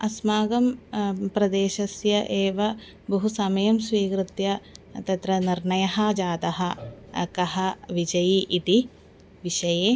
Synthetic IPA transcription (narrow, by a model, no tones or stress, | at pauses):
ɐsmaːɡɐmpɾɐd̪eːʃɐsjɐʔeːʋɐ | bɐɦusɐmɐjɐmsʋiːkɾɨt̪jɐt̪ɐt̪ɾɐniɾɳɐjɐɦɐd͡ʒaːt̪ɐɦɐɐ̰kɐɦɐʋid͡ʒɐjiʔit̪i | ʋiʃɐjeː